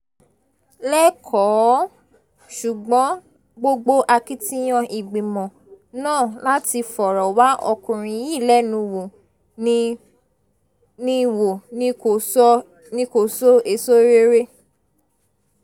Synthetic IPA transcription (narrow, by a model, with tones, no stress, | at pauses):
lɛ˦kʰɔ˨˦ | ʃu˨ɡ͡bɔ̃˨˦ | ɡ͡bo˦ɡ͡bo˦ʔa˧ki˦tĩ˦j̃ɔ̃˧ʔi˨ɡ͡bi˨mɔ̃˨ | nãː˦˨la˦ti˧fɔ˨ɾɔ˨wa˨˦ɔ˧kũ˨ɾ̃ĩ˧ji˦˨lɛ˦nũ˧wo˨ | nĩ˦˨wo˨nĩ˦˨˦ | nĩ˦ko˨so˦e˧so˦ɾe˦ɾe˦